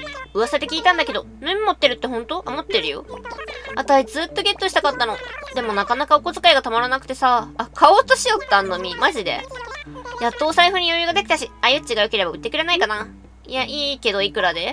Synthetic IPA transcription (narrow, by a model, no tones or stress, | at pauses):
ɯ̟βaset̪e̞kʲiːt̪ãnd̪ake̞d̪o̞ | mɯ̃mʲimo̞t̪ːe̞ɾɯ̟t̪ːe̞ɦõ̞nt̪o̞ʔamo̞t̪ːe̞ɾɯ̟jo̞̰ | at̪aɕid͡zɨːt̪ːo̞ɡʲe̞t̪ːo̞ɕi̥t̪akat̪ːanod̪e̞mo̞nakanakaoko̞zɨ̥kaiɡat̪amaɾanakɯ̟t̪e̞saːkʰaoːt̪oɕijo̞t̪ːãnːomʲimaʑid̪e̞̰ | jat̪ːo̞ːsaiɸɯ̟ɲ̟ijojɯ̟ɡad̪e̞kʲi̥t̪aɕiajɯ̟t͡ɕiɡaɯ̟ke̞ɾe̞baɯ̟t̪ːe̞kɯ̟ɾe̞naikana | jaʔiːke̞d̪o̞ikɯ̟ɾad̪e